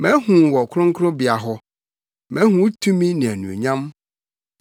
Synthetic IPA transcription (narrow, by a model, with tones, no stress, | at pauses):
mɛ̃˨˦hũ˨wɔ˨kʰʊ˦ɾʊ̃˦ŋ̩˦kʰɾʊ̃˦bɪ˨a˨ɦɔ˦ | mɛ̃˨˦hũ˦tʰũ˦mĩ˦nɪ̃˨æ˨nṵ̃˨ḛ˨ɲã˦m